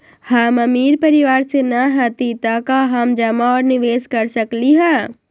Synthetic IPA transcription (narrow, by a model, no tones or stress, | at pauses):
hamɐmiːɾpɐɾɪʋaːɾsenɐɦɛt̪it̪akaɦɐmd͡ʒɐmaɔːɾnɪʋeːskɐɾsɐkliɦɛː